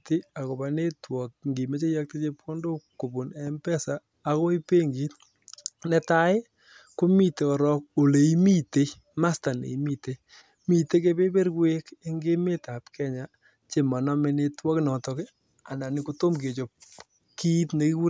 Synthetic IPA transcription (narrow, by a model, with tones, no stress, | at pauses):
ti˦a˨ko˨ba˨ne˦twɔ˨k̚ŋɡi˨me˦t͡ʃe˦ja˦k̚ti˦t͡ʃe˦pko˦ndo˦ko˨bo˨nɛ˦mpɛ˦saː˨ | ko˦i˦pe˦ŋɡiː˨t | nɛ˨ta˦ɪ˦ | ko˦mi˦te˨kɔ˨ɾɔ˦k̚o˨le˨i˦mi˦te˨˦ | ma˦sta˨nḛ˨i˦mi˦te˨ | mi˨te˦k̬e˦pe˦pe˦ɾwe˦ke˦ŋɡe˦me˦ta˨pkɛ˦ɲa˨ | t͡ʃe˨mɔ˨nɔ˦me˨ne˧twɔ˦knɔ˨tɔ˨kɪ˦ | a˨na˨ni˨ko˦to˦mke˨t͡ʃo˨p̚ | ki˦tne˦ki˦ku˦ɾ